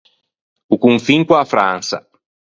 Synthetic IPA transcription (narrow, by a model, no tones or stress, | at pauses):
ukuŋfiŋkwafɾã̰nsɐ̰